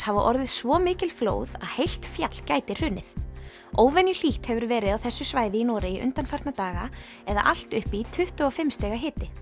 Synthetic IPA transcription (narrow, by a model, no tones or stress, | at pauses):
havaʔɔɾðɪð̥svɔmɪːcɪlflo̰ːwðaðhejl̥t̪fjat̪l̥caːjt̪ɪr̥ʏːnːɪθ | oːwvɛnjʏl̥iht̪hɛvʏɾvɛːɾɪðawθɛsːʏsvaːjðɪinɔːɾɪiʔʏ̰nt̪anfaɾ̥t̪nat̪aːɣa | ɛða̰ʔal̥t̪ʏhpit̪ʰʏht̪ʏɔfɪmst̪ɛːɣaɦɪːt̪ɪ